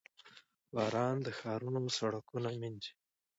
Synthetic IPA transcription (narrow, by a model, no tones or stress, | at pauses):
wɑːɾɑnd̪əxɑːɾunosaɽakunamind͡ʒi̥